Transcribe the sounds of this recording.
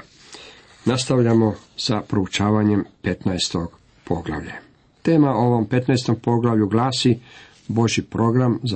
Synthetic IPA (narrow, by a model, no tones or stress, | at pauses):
nast̪aʋʎamo̞sapɾout͡ʃaːʋaɲe̞mpe̞t̪naest̪o̞ɡ̥ | pʰo̞ɡlˠa̰ʋʎa̰ | t̪e̞ːmao̞ʋo̞mpe̞t̪naest̪o̞mpo̞ɡlaʋʎuɡlaːsi | bo̞ʒipɾo̞ɡɾamz